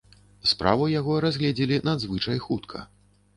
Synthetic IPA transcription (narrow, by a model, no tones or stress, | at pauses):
spɾa̰vɐjaɣɔɾazʲɣlʲɛd͡zʲilʲinad̪zvɨt͡ʂɐjxut̪kʰɐ̰